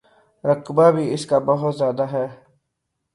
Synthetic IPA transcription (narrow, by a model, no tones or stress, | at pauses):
ɾəkbaːbʱiɪskaːbəɦʊt̪zjaːd̪aɦɛː